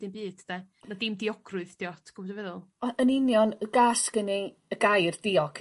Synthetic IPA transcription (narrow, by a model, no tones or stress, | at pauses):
d̥ɨmbiːd̥̚tʰəd̥a | nadɪmdiɔɡrʊɨðd̥iɔtʰɡ̥ʊbɔdvɛðʊlˠɔənɪnjɔnəɡasɡ̥ənɪ | əɡajrdiɔɡ̥ʰ